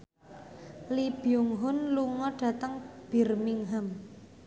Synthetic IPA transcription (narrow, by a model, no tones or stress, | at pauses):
lib̥ijʊŋɦʊnluŋɔɖ̥ä̤t̪əŋb̥i̤rmiŋɦəm